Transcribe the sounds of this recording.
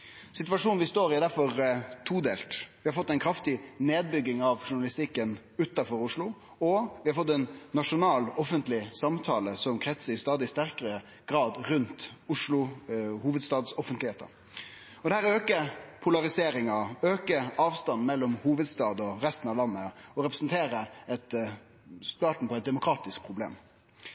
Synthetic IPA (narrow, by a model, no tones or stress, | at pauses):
sɪt̪ʋɑʂuːnʋɪst̪oːɾɪæɾd̪æɾfɔɾt̪ʰuːd̪eːlt̪ʋɪhɑɾfɔt̪ːæɪnkʰɾɑft̪ɪneːd̪̚bʏɡːɪŋɑʋʂʊɳɑlɪst̪ɪkːən | ʉt̪ːɑfɔɾʊʂlʊ | ɔʋɪhɑɾfɔt̪ːɛnːɑʂʊnɑːlɔfənt̪lɪsɑmt̪ʰɑːləsɔmkʰɾɛt̪səɾɪst̪ɑːd̪ɪst̪æʁkəɾə | ɡ̥ɾɑːd̪ɾʉnt̪ʊʂlʊhuːʋəd̪st̪ɑːd̪sɔfənt̪lɪheːt̪ə̰ɾ | ɔd̪ɛhæːɾøːkəpʰʊlɑʁɪseːɾɪŋɑøːkəɑːʋst̪ɑnːmɛlːɔmhuːʋəd̪st̪ɑːd̪ɔɾɛst̪n̩ɑʋlɑnːəɔɾɛpɾɛsn̩t̪ʰeːɾəɛt̪ | st̪ɑːʈ̪ɳ̩pʰɔɛt̪̚d̪ɛmʊkʰɾɑːt̪ɪsk̚pʰɾʊblḛːm